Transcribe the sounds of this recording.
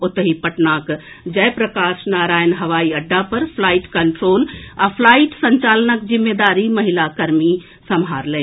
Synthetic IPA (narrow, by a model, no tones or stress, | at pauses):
ot̪ɦipəʈnak | d͡ʒəjpɾəkasnaɾajnɦəʋaiəɖːapəɾpʰlaiʈkəɳʈɾoːlapʰlaiʈsə̃ɲt͡ʃalənəkd͡ʒimːed̪aɾiməɦilakəɾmi | səmɦaɾlɛ